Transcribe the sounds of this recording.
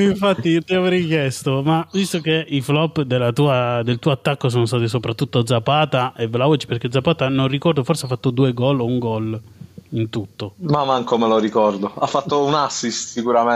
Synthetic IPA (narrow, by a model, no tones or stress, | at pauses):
iɱfat̪ːit̪iaveɾik̟jɛst̪omavist̪okeiflɔpːd̪elːat̪uːad̪elt̪uːoat̪ːakːos̬oːnost̪aːt̪isopɾat̪ːut̪ːod̪zapaːt̪aevlaot͡ʃi̥perɾk̟ed̪zːapaːt̪anorːikɔrd̪oforseafːat̪ːod̪uːeɡɔlouŋɡɔlint̪ut̪ːomamaŋkomeloɾikɔrd̪oafːat̪ːounasːist̪sikuɾame